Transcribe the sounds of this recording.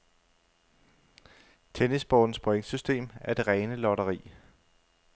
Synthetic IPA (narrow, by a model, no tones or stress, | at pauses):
t͡sʰenisb̥ɒ̰ːd̥n̩spʰoeŋ̥sysd̥e̝̰ːmæɐd̥e̝ʁɛːnəlɒɾɐʁḭː